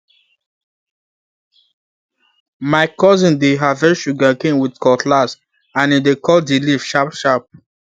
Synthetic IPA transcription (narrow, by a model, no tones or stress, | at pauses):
maɪkɔzĩndeɦavɛ̃ʃuɡakẽnwidkɔtʰlas | ãnidekʰɔdilifʃapʃap̚